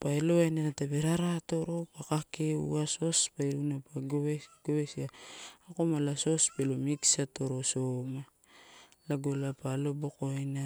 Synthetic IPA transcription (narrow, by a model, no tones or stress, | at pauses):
paelo̞ajnaɾatabeɾaɾato̞ɾo̞pakakeṵaso̞spaiɾunapaɡoɡ̥oβesiaːko̞malaso̞spelomiksato̞ɾo̞soma | laɡolapalo̞bokoana